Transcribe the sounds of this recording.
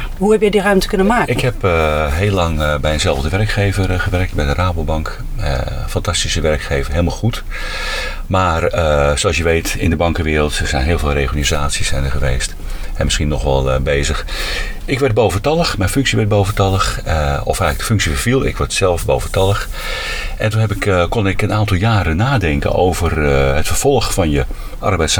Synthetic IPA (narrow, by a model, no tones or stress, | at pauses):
huhɛpjɛdirœɥmtəkɵnəmaːɪkɦɛpɦeːlːɑŋbɛjənzɛlˠvdəʋɛrkχejvərχəʋɛrək̚tbɛjdəraːbobɑŋk | ə̰ | fɑntɑstisəʋɛrkxeːvərɦeːlˠmaːlˠχut | maːrəsolˠs̬jəʋejtɪ̰ndəbɑŋkəʋɪːɾəlˠtəɹzɛjnɦɪːlˠvɪːlˠreːχənizaːtsisɛnəχəʋeːst | ɛmɪsχinɔχʋɛlˠbejzəx | ɪkʋɛɹd̚bowvəntɑlˠəxmɛjnfɵŋksiʋɛɹt̚boːwvəntɑlˠəxɔ̰fhajɪkɡ̚dəfʏŋksifəv̥ilˠɪ̰kʋɛɹtsɛlˠfbowvəntɑlˠəx | ʔɛntunɦɛpɪkkɔnɪkənaːntɑlˠjaːɾənaːdɛŋkə̰no̰wvərɦətfərv̥ɔlˠχfɑnjə | ʔɑ̰rbɛjts